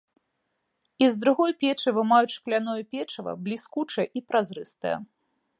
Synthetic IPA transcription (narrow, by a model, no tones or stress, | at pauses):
izd̪ɾuɣɔjpʲɛt͡ʂɨvɨmajut͡sʲʂklʲanɔjɐpʲɛt͡ʂɐvɐ̰blʲiskut͡ʂɐjʔipɾazɾɨst̪ɐjɛ̰